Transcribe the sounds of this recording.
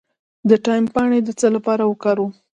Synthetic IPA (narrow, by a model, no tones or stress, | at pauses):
d̪əʈɑjmpɑɽ̃ed̪ət͡səlapɑɾawəkɑɾu